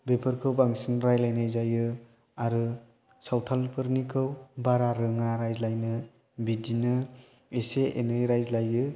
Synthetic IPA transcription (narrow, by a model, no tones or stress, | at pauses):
bepʰɯɾkʰɯwbaŋsinɾajlajnajzajɯ | aɾɯ | sawtʰalpʰɯɾnikʰɯwbaɾaɾɯŋaɾajzlajnɯ | bidinɯ | eseenɯjɾajzlajɯ